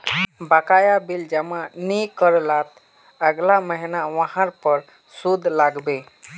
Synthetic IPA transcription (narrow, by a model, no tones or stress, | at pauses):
bakajabild͡ʒəmãnikəɾlat̪ | əɡlaməɦinaʋəɦãɾpəɾ | sud̪ʱlaɡbe